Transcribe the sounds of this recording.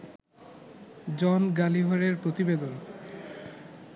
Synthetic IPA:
d͡ʑɔnɡaliɦoɾeɾpɾot̪ibed̪on

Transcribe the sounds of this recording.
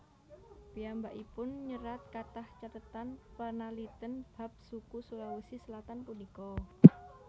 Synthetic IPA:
b̥iambaʔipʊnɲəɾat̪̚kat̪aht͡ʃat̪ət̪anpənalit̪ənb̥ap̚sukusulawusisəlat̪anpunikɔ

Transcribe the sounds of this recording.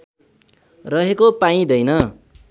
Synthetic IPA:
rʌɦekopaĩd̪ʌjnʌ

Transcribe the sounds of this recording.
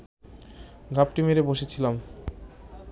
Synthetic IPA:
ɡʱap̚ʈimeɾeboʃet͡ɕʰilam

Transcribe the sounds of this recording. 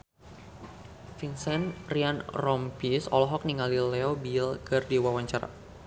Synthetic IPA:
finsɛnrianrɔmpisɔ̰lɔɦɔk̚niŋalilɛɔbilkɨrdiwawaɲt͡ʃaɾa̰

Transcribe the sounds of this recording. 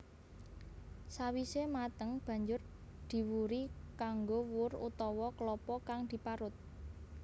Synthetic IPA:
sawisemat̪əŋb̥ä̤ɲd͡ʒʊr | d̪̥i̤wuɾikaŋɡowʊrut̪ɔwɔklɔpɔkaŋd̪̥i̤paɾʊt̪̚

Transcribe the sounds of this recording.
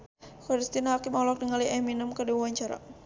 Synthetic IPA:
kaɾist̪inaɦakɪmɔlɔk̚dəŋaliɛminəmkədawuaɲt͡ʃaɾa̰

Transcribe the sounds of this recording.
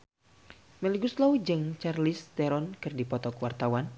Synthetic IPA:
mɛliɡuslaud͡ʒəŋt͡ʃarlist̪ɛɾɔnkɨrdipɔt̪ɔkwart̪awan

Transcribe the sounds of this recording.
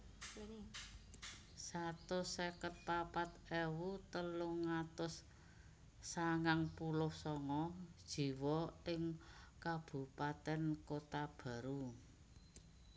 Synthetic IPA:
sat̪ʊsekət̪̚papat̪ewut̪əlʊŋat̪ʊs | saŋaŋpulʊhsɔŋɔd̥ʒ̥i̤wɔʔɪŋkab̥ṳpat̪ɛnkot̪ab̥ä̤ɾu

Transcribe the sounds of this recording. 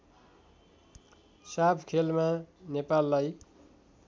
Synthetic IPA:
sapʰkʰelmanepalːaj

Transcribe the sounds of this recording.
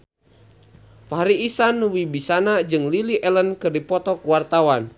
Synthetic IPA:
faɦɾiːsanwibisanad͡ʒɨŋliliʔɛlənkɨrdipɔt̪ɔkwart̪awan

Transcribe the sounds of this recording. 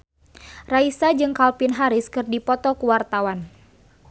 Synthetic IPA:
raisad͡ʒɨŋkalpɪnɦaɾɪskɨrdipɔt̪ɔkuwart̪awan

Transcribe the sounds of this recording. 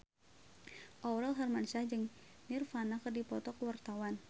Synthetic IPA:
ʔɔwɾalɦarmansahd͡ʒɨŋnirfanakərdipɔt̪ɔkəwart̪awan

